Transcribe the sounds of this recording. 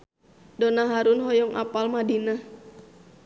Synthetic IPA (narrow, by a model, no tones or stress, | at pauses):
dɔnaɦaɾunɦɔjɔŋʔa̰palmadina